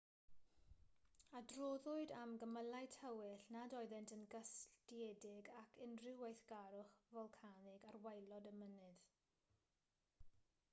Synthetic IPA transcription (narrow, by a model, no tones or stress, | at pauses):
adroːðʊɨdamɡəməlajtʰəwɪɬnadɔɨðɛntənɡəstiɛdɪɡakʰɪnrɪwejθɡ̥aɾʊχvɔlˠkʰanɪɡarwajlˠɔdəmənɨð